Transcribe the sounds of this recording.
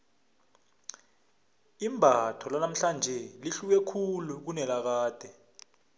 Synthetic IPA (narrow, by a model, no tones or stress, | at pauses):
imbʱatʰɔlalam̩ɬand͡ʒʱɛliɬuk̬ekʰuluk̬unɛlak̬aːd̥ʱɛ